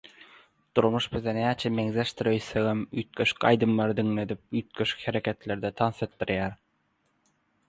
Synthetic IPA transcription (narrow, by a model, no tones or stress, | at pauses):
d̪̥uɾmuʃbiðenæːt͡ʃʰeme̞ŋzeʃt̪iɾøjθeɣemyːt̪̚køʃy̥kʲɑ̰jd̪ɯmlˠɑɾɯd̪iŋle̞d̪ip̚yːt̪̚køʃy̥kʲheɾekʲʰe̞t̪lʲe̞ɾd̪et̪ʰɑnset̪̚ːiɾjæːɾ